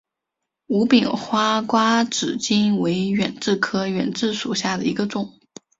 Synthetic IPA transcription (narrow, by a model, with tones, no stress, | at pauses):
u˧˥pi˨˩ŋxwa˥kwa˥ʈ͡ʂɻ̩˨˩t͡ɕi˥nwe˧˥ɪɥɛ̰˨˩nʈ͡ʂɻ̩˥˩kʰɤ˥ɥɛ̰˨˩nʈ͡ʂɻ̩˥˩ʂu˨˩ɕja˥˩d̪ə˩i˧˥ɡə˧ʈ͡ʂʊ˨˩˦ŋ